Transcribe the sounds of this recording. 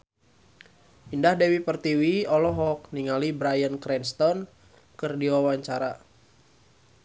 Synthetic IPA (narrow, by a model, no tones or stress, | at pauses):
indahdɛwipərt̪iwiɔlɔɦɔk̚niŋalibɾajənkɾɛnst̪ɔn | kɨrdiwawaɲt͡ʃaɾa